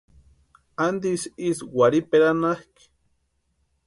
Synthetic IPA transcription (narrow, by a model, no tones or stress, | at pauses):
and̪isiswaɾipeɾanahk